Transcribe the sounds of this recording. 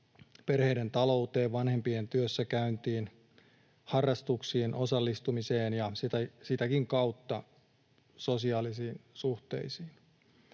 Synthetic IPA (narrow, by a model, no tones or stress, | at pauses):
perhe̞ident̪ɑlo̞ut̪e̞ːʋʋɑnhe̞mpient̪yøsːækæynt̪iːn | hɑrːɑst̪uksiːnʔo̞sɑlːist̪umiseːnjɑsit̪æsit̪ækiŋkɑwt̪ːɑ | so̞siɑːlisiːnsuht̪e̞̰isiːn